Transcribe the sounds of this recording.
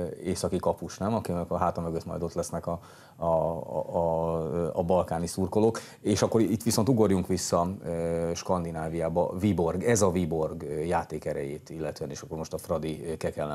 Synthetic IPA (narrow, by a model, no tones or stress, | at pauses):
eːsɒkikɒpuʃnɛmɒkinɛkɒɦaːt̪ɒmøɡøt̪mɒ̰jd̪o̞t̪lɛsnɛkɒ | ɒbɒlkaːnisurko̞lo̞k | eːʃɒkːo̞ɾit̪ːʋiso̞nt̪uɡo̞rjuŋkʋisːɒ | ʃkɒnd̪inaːvijaːbɒvibo̞rɡɛzɒvibo̞rɡjaːt̪eːkɛɾɛ̰jeːt̪ilːɛt̪øːɛneːʃɒkːo̞rmo̞ʃt̪ɒfrɒd̪ikɛkɛlːɛ